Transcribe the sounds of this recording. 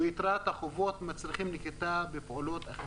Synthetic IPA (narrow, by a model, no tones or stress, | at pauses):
it̪ɾat̪haχovo̞t̪mat͡sliχimliket̪abepolot̪aχe